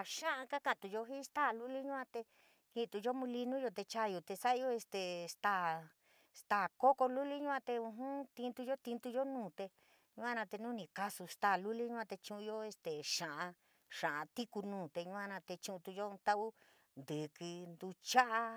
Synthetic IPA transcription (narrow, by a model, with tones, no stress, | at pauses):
ʃã˦ʔã˧ka˦ka˧˨t̪u˧jo˧ɦi˦st̪a˦˨lu˦li˦ɲũ˦ã˧t̪e˧ | ki˧t̪u˧jo˦mũ˧li˧nũ˦jo˧t̪e˧t͡ʃa˦˧jo˧t̪e˧sa˦ʔjo˦˧e˧st̪e˨st̪a˦˧˨ | st̪a˧˨ko˦ko˧lu˦li˦ɲũ˦ã˧t̪e˧ũ˧ɦũ˦t̪i˧nt̪u˧jo˦t̪i˧nt̪u˧jo˦nũː˦˨t̪e˧ | ɲũ˧˦ã˧nã˧t̪e˧nũ˦nĩ˨˧ka˧su˧st̪a˦˧˨lu˦li˦ɲũ˦ã˧t̪e˧t͡ʃũ˧ʔũ˧jo˦e˧st̪e˨ʃã˨ʔã˧ | ʂã˨ʔã˧t̪i˦ku˧nũː˨t̪e˧ɲũ˧ã˧nã˧t̪e˧t͡ʃũ˧ʔũ˧t̪u˧jo˦˧t̪a˦ʔu˦ | nd̪ɨ˨kɨ˧nd̪u˧t͡ʃa˦ʔa˧